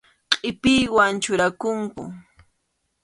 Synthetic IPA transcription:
qʼɪpɪjwant͡ʃʊɾakʊŋkʊ̰

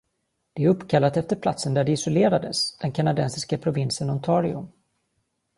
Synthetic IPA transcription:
d̪̥ɛæɾɵpːkʰalːat̪ɛft̪əɾpʰla̰t̪sənd̪æɖɛɪsɔleːɾad̪əsd̪̥ɛnkʰanad̪ɛnsɪskapʰɾʊvɪnsənɔnt̪ʰɑːɾɪɵ̰m

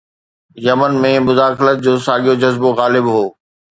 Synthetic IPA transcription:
jɐmənmẽmʊzaːxɪlət̪̚d͡ʑoːsaːɠijod͡ʑɐzboɣaːlɪbɦoː

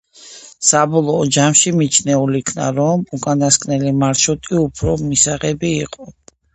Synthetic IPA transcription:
sabɔlˠɔːd͡ʒamʃimit͡ʃʰnɛulikʰna̰ɾɔmukʼanaskʼnɛlimaɾʃut̪ʼiupʰɾɔmisaʁɛbiːqʼɔ

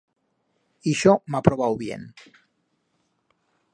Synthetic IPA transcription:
iʃɔmapɾoβawβjḛn

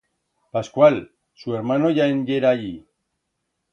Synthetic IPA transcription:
paskwal | sueɾmanoʝaenɟeɾaʎi

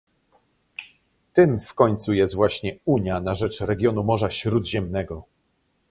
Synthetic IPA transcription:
t̪ɘmfkɔɲt̪sujɛst̪vwaɕɲɛuɲjanaʐɛt͡ʂɾɛɡʲjɔnumɔʐaɕɾud̪ʑɛmnɛɡɔ

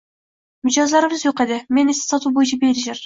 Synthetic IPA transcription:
mʏd͡ʒɑzlˠɑɾɯβɨzjoqed̪ɪmenese̥sɑt̪uːbojunt͡ʃʰɑbeɾiʒeɾ

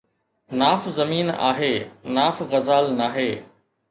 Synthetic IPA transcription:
naːfzɐmiːna̰ːɦeːnaːfɣɐzaːlnaːɦeː

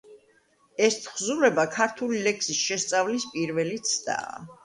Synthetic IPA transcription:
ɛst̪ʰχzuɾɛbakʰaɾt̪ʰulilɛkʰsisʃɛst̪sʼavlispʼiɾvɛlit̪sʰd̪̥a̰ː

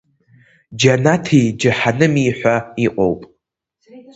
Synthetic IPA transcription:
d͡ʒanatʰijd͡ʒɨħanɨmiːħʷaiqʷʼo̰wpʼ

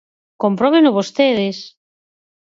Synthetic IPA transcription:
kompɾɔβenʊβost̪eðes

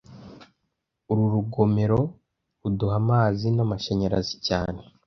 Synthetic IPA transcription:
uɾuɾuɡo̞meɾo̞ | uduhamaːzinamaʃeɲeɾa̰zicaːne

